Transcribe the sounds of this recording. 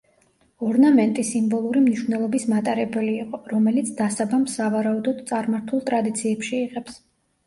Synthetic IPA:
ɔɾnamɛnt̪ʼisimbɔlˠuɾimniʃvnɛlˠɔbismat̪ʼaɾɛbɛliːqʼɔɾɔmɛlit̪sʰd̪asabamsavaɾaud̪ɔd̪t̪sʼaɾmaɾt̪ʰulˠt̪ʼɾad̪it̪sʰiɛpʃiːʁɛps

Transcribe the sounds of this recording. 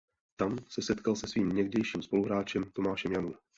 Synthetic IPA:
t̪amsɛsɛt̪kalsɛsviːmɲɛɣdɛjʃiːmspo̞luɦɾaːt͡ʃɛmt̪o̞maːʃɛmjanuːm

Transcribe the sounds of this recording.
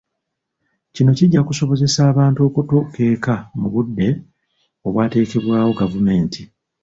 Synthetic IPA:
cino̞ciɟːakuso̞βo̞ze̞saːβaːntuo̞ːkutoke̞ːkamuβudːe̞ | o̞βwaːte̞ːkeβwaːwo̞ɡavume̞ːnti

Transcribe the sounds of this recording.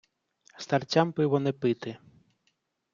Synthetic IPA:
st̪art͡ɕʲampɪwɔnɛpɪt̪ɪ

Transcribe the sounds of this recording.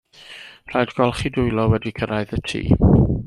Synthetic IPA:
r̥ajdɡ̥ɔlˠχidʊjlɔwɛdikʰəɾaɨðətʰḭː

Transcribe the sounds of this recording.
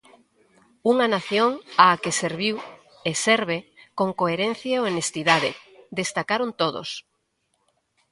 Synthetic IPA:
uŋanaθjoŋaːkeseɾβiw | eseɾβ̞ekoŋkoeɾen̟θjaoenest̪iðaðed̪est̪akaɾont̪oðo̰s

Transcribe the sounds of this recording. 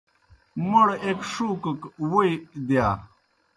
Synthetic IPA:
muɽekʂuːkəkwujd̪jaː

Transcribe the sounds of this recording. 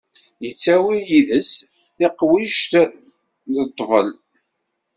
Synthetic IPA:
jət͡sːæwijiðəs | θiqwiʃt̪ | ðət̪ˤːvə̰l

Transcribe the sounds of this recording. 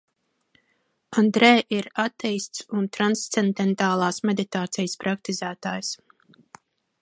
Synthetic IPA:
and̪ɾɛːʔiɾat̪ːɛjst̪sunt̪ɾanst̪send̪ɛnt̪aːlˠɑːsmed̪it̪aːt̪sijspɾak̚t̪izæːt̪aːjs

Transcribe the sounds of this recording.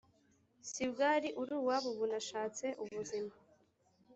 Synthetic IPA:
sibɡaɾiʔuɾuwaβuβunaʃaːt͡se̞ʔuβuzima

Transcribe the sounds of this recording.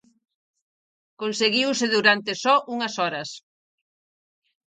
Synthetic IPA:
konseɣiwsɪðuɾant̪ɪsɔʔuŋɐsɔɾɐs

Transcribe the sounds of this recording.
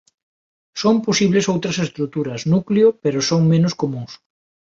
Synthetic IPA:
somposiβlesowt̪ɾɐsest̪ɾut̪uɾɐsnukleʊpeɾʊsoŋmenʊskomuŋs

